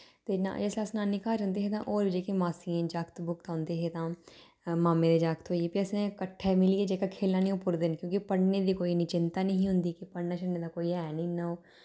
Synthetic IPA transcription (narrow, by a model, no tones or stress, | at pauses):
t̪eːnã̰d͡ʒeslaːsnaːnikaːd͡ʒə̃nd̪eːɦeːt̪ã̰ːʔoːɾʋɪd͡ʒeːkemaːsiẽːd͡ʒaːkt̪bʊkt̪ãːnd̪eːɦeːt̪ãː | maːmẽːd̪eːd͡ʒaːkt̪ɦoːieːpɪəsnẽːkəʈʰːɛːmɪlieːd͡ʒeːkaːkʰeːlnaːnĩːʊpʊɾd̪ɪnkjõːkipəɽneːd̪iːkoːiːnĩt͡ʃɪnt̪aːnəɦĩɦʊ̃nd̪iːkipəɽnaːt͡ʃəɽneːd̪aːkoːiɛːnĩːnəoː